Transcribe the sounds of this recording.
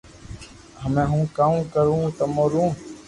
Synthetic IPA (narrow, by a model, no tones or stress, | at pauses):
ɦəmẽːɦũːkaːmkəɾũːt̪əmoːɾũː